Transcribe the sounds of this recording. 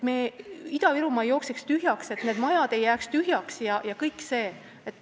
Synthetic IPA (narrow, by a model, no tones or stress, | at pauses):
meːid̪̥ɑviɾumɑjo̞ːksekst̪yɦjɑkse̞t̪ne̞ːd̪mɑjɑd̪̥e̞jːæːkst̪yɦjɑksjɑjɑkɤjkːˑse̞ː | et̪ːˑ